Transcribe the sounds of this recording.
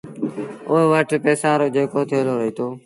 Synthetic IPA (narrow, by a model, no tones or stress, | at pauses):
ʊɦeʋəʈpeːsaːɾoːd͡ʒeːkoːt̪ʰeːloːɾəɦiːt̪ʰoː